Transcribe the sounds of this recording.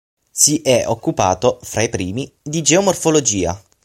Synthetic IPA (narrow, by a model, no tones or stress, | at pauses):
siʔɛokːupa̰ːt̪ofɾaipɾiːmid̪id͡ʒeomorfolod͡ʒiːa̰